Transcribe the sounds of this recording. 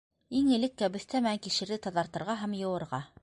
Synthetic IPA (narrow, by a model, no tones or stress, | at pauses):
iŋɘ̆lɘkːæbɘ̆θt̪æmææŋkiʃɘ̆ɾðɘt̪ɑðɑɾt̪ɤ̆ɾʁɑɦæmjɤ̆wɤ̆ɾʁɑ